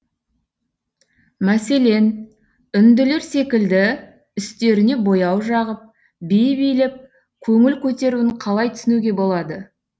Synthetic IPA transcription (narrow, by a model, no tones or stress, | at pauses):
mæse̞le̞n | ʏnd̪ɪle̞ɾse̞kʲɪld̪ɪ | ʏst̪e̞ɾɪne̞bo̞jɑwʒɑʁəp̚ | bejbijlɪp̚ | kʲʰɵŋɪlkʲʰɵt̪e̞ɾuɪɴqʰɑlˠɑjt̪ʰʏ̥sɪnuɡʲe̞bo̞lˠɑd̪ə